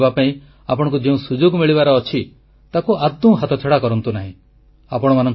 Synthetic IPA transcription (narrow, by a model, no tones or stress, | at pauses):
bapaĩ | apɔɽ̃ɔ̃ŋk̬ud͡ʒeũsud͡ʒoɡmiɭibaɾɔːt͡ʃʰi | t̪akuʔad̪ːɔ̃ɦat̪ʰɔt͡ʃʰeɽakɔɾɔnt̪unaɦḭ̃ | apɔɽ̃ɔmanɔŋ